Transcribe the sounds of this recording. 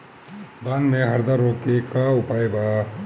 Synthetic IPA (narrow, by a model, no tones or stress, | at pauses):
d̪aːnmẽɦɐɾd̪aɾoːkekaʊpaːjba